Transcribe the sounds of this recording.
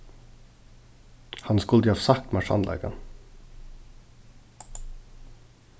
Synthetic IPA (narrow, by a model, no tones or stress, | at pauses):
hɑnskʉld̪iːɑːʋsɑk̚t̪mɑʃɑ̰nlæ̰ːɡə̰n